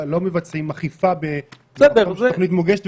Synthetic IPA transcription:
lo̞mevat͡simaχifabe | sɛd̪eʁzoχnit̪moɡeʃet̪

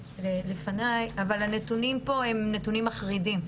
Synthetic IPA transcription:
lelefanajavalanetunimpo̞e̞mnetunimaχʁidim

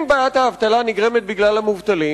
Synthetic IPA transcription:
mbajat̪haːvt̪alaniɡʁemet̪̚biɡlalhamuvt̪ali

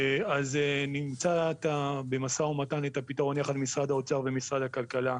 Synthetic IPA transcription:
azenimt͡sat̪abe̞masaomatanet̪apitaʁo̞njaχad̪misʁad̪ao̞t͡saʁvemisʁad̪hakalkala

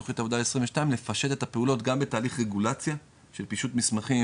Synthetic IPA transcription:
oχit̪avodalesʁimveʃtaimlefaʃe̞t̪e̞t̪hape̞ulo̞t̪ɡambe̞taːliχʁeɡulat͡sja | ʃe̞lpiʃutmismaχi

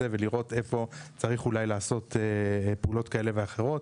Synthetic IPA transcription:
eve̞liʁo̞te̞fo̞t͡saʁiχulajlaːso̞t̪ʰepeulo̞t̪kae̞le̞veaχe̞ʁ̞o̞t̚

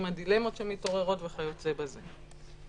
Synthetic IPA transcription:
madile̞mo̞tʃemito̞ʁe̞ʁo̞tveχajo̞tzebaze

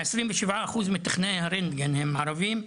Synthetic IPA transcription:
esɾimvəʃivʕaːχuzmit̪ḁχnejhaɾend̪ɡenhemːaʕɾavim

